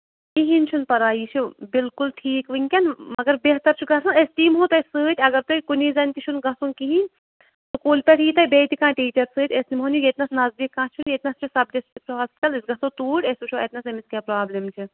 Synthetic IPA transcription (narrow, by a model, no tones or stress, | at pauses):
iɦinʲt͡ʃʰunpɐɾaːiːt͡ʃʰubɪlkulʈʰiːkʋɨŋʲkʲɐnmɐɡɐɾbeɦt̪ɐɾt͡ʃʰuɡɐsãnest̪iːmɦõːt̪ɐsɨːt̪ʲɐɡɐɾt̪ukuniːzɐnʲkit͡ʃʰunɡɐsũnkiɦĩnʲ | t̪ukuːlpʲeʈʰiːt̪ɐbeːt̪ʲikãːʈiːt͡ʃɐɾsɨːt̪ʲesnimɦoniet̪nɐsnɐzd̪ikːãːt͡ʃʰunjet̪ʲnɐst͡ʃʰusɐb̚d͡ʒɐsʈiksʰɐʋaːzkɐlɨsɡɐsoːt̪uːʈesut͡ʃʰuet̪ʲnɐsemiskʲeːpɾaːblemt͡ʃʰi